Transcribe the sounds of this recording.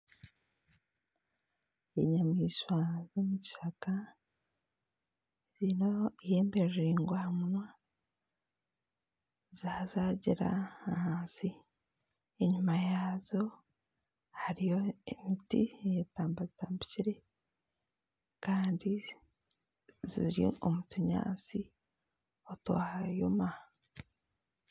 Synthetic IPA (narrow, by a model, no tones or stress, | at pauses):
eɲamŋiːʃwazomuɟi̥ʃaka | ɾinoijeːmbeʒiŋɡwamunwa | zazaɟiɾa̰ahaːnsi | iɲumajazo̞ | haɾijo̞imitḭjetaːmbazitaːmbiciɾe̞ | kaːndi | zḭɾiomutuɲa̰ːt͡si | oto̰hajoma